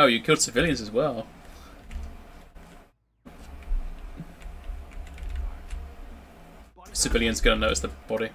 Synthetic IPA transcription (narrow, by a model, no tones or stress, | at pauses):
oʊjəkʰɪlˠd̥sɨvɪljə̃nzəzwɛlˠ | sɨvɪljə̃nzɡʌnənːəʊtɪsðəb̥ɒɾi